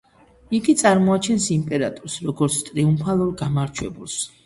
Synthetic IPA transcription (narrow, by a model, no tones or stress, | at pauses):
iɡit̪sʼaɾmɔat͡ʃʰɛnsimpʼɛɾat̪ʼuɾsɾɔɡɔɾt̪sʰt̪ʼɾiumpʰalˠuɾɡamaɾt͡ʃʰwɛbulˠs